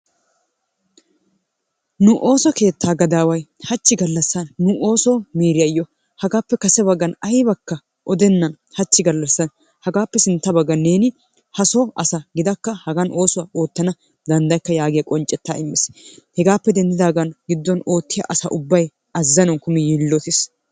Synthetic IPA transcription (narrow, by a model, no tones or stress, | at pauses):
nʊʔoːsɔke̞ːt̪ːaːɡɐd̪aːwɐjhɐt͡ʃːɪɡɐlːɐsːɐnːʊʔo̞ːsɔmiːɾɪjɐjːɔ | hɐɡaːpːɛkɐsɛbɐɡːɐnɐjbɐkːɐ | ʔɔd̪ɛnːɐn | hɐt͡ʃːɪɡɐlːɐsːɐn | hɐɡaːpːɛsɪnt̪ːɐbɐɡːɐne̞ːnɪ | hɐsɔʔɐsɐɡɪd̪ɐkːɐhɐɡɐnʔo̞ːsʊwaːʔo̞ːt̪ːɐnɐ | d̪ɐnd̪ɐjkːɐjaːɡɪjɐkʼɔnt͡ʃʼːɛt̪ːa̰ːɪmːɛshɛɡaːpːɛd̪ɛnd̪ɪd̪aːɡɐnɡɪd̪ːɔnoːt̪ːɪjɐ̰ʔɐsɐ̰ʔʊbːɐj | ɐzːɐnɔnkʊmɪjiːlːɔt̪ɪs